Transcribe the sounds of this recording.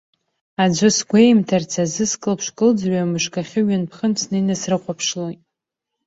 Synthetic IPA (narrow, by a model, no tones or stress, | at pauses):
ad͡ʒʷɨsɡʷejmtʰart͡sʰazɨskʼɨlpʰʂkʼɨld͡zrɥamɨʂkʼaχʲɪɥanpʰχənt͡sʰnɨjnasrɨqʷapʰʂlojtʼ